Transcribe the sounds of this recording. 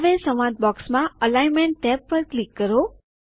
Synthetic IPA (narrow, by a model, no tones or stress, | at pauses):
ʋesəmãt̪̚bɔksmãəlajmɛɳʈːɛp̚pəɾklikːəɾo